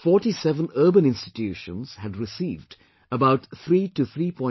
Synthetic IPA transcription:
fɔːʈisɛvə̃nəːbə̃nɪ̃nstɪtʰjʉːʃə̃nz̥hædɾɪsiːvd | əbaʊtθɾiːʈuθʰɾiːpɔ̃ɪ̃

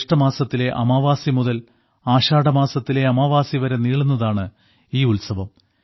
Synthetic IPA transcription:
ʂʈɐmaːsɐt̪ːile̞ʔɐ̰maːʋaːsimuðɐl | aːɕaːɽɐmaːsɐt̪ːile̞ɐmaːʋaːsiʋɐɾɐniːɭunːɐðaːɳɨ | iːulsɐʋɐm

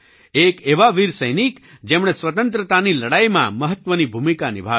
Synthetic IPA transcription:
ekeʋaʋiɾsəjnikd͡ʒemɳ̃esʋət̪ənt̪ɾət̪aniləɽaimã̰məɦət̪ʋənibʱumikanɪ̰bʱa

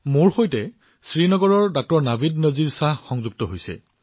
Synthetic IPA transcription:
moɹxojtɛ | sɹinɔɡɔɹɔɹdak̚tɔɹnabidnəziɹsahxɔŋzuɡ̚tɔɦojsɛ̰

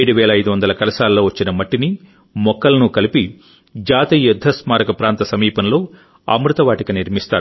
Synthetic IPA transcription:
eɽuʋɛːlɐːjd̪uʋɐnd̪ɐlɐkɐlɐsaːlɐlo̞ːʋɐt͡ʃːinɐmɐʈːini | mɔkːɐlɐnukɐlipi | d͡ʒaːt̪ijud̪ʱːɐsmaːɾɐkɐpɾaːnt̪ɐsɐmiːpɐnlo̞ː | ɐ̰mɾut̪ɐʋaːʈikɐniɾmist̪aːu

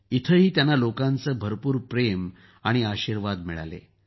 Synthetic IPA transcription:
it̪ʰəɦiːt̪janːalokãnt͡səːbʱəɾpuːɾpɾem | aɽ̃iaɕiɾʋad̪miɭa̰lḛ

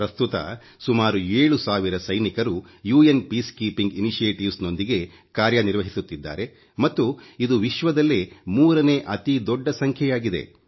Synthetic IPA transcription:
pɾɐst̪ut̪ɐ̰ | sumaːɾueːɭusaːʋiɾɐsɐjnikɐɾu | juːenpiːskiːpiŋɡiniʃijeːʈiʋsno̞nd̪iɡe̞ | kaːɾjɐniɾʋɐɦisut̪ːid̪ːa̰ːɾe̞ | mɐt̪ːuid̪uʋiʃʋɐd̪ɐlːemuːɾɐne̞ːʔɐt̪id̪ɔɖːɐsɐŋkʰjɛjaːɡid̪e̞̰

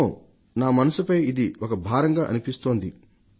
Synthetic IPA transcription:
naːmɐnɐsupɐjid̪iɔkɐbʱaːɾɐŋɡaːʔɐ̰nipist̪o̞ːnd̪i

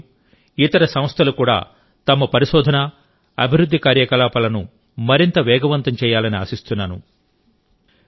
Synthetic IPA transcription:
it̪ɐɾɐsɐ̃mst̪ʰɐlukuːɽa̰ː | t̪ɐmɐpɐɾiʃɔːd̪ʱɐnɐ | ɐbʱiɾud̪ʱːikaːɾjɐkɐlaːpɐlɐnu | mɐɾint̪ɐʋɛːɡɐʋɐnt̪ɐmt͡ʃɛːjaːlɐnia̰ːsist̪unːaːnṵ

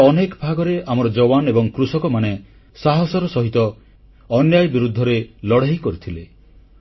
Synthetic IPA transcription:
ɔnekɔbʱaɡɔɾeamɔɾɔd͡ʒɔwanebɔŋkɾusɔkɔmane | saɦɔsɔɾɔsɔɦit̪ɔː | njajbiɾud̪ʱːɔɾelɔɽ̤aɦikɔɾit̪ʰile

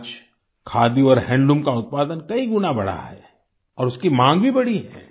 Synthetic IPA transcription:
t͡ʃ | kʰaːd̪iɔːɾɦɛ̃ːɳɖũmkaʊt̪̚paːd̪ənkɐiɡʊnabɐɽa̰ɦɛ̰ː | ɔːɾʊskimãːŋɡbʱibɐɽiɦɛ̰ː

